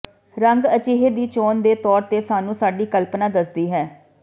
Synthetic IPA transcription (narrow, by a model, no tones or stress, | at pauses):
ɾəŋɡət͡ʃeːɦeːd̪iːt͡ʃoːnd̪eːt̪ɔːɾt̪eːsaːnũːsaːɖiːkəlpnaːd̪əsd̪iːɦɛː